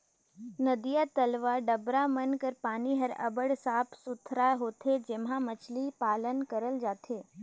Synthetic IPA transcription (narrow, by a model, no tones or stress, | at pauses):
nəd̪ijat̪ɐlʋaːɖəbɾamənkəɾpaːniɦɐɾɐ̰bəɽsaːpʰsʊt̪ʰɾaːɦoːt̪ʰed͡ʒemɦãmɐt͡ʃʰlipaːlənkəɾəld͡ʒaːt̪ʰeː